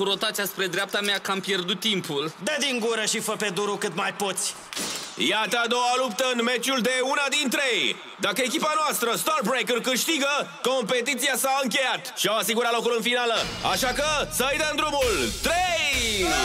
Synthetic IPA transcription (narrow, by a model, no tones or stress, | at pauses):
kuɾo̞t̪at̪t͡ʃ̪ijaspɾe̞d̪ɾeap̚t̪ameakampje̞rd̪ut̪ːimpuld̪əd̪iŋɡuɾəʃifəpe̞d̪uɾukɨt̪majpo̞t̪sʲ | jat̪əad̪o̞alup̚t̪əɨnme̞t͡ʃuld̪e̞unad̪int̪ɾe̞j | d̪akəekʲipanoast̪ɾəst̪arbɾejkurkɨʃt̪iɡəko̞mpe̞t̪̬it̪siasaɨŋk̬ʲe̞jat̪ʃiawasiɡuɾat̪lo̞kulɨnfinaləa̰ʃakəsəɨjd̪əɨnd̪ɾumult̪ɾej